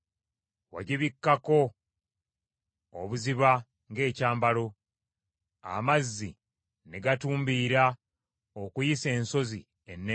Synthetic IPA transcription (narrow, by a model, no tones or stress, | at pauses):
wa̰ɟiβikːako̞ | oβuziβa | ŋɡe̞ːcaːmbalo̞ | a̰mazːi | ne̞ɡatuːmbiːɾa | okujise̞ːnso̞zi | enːe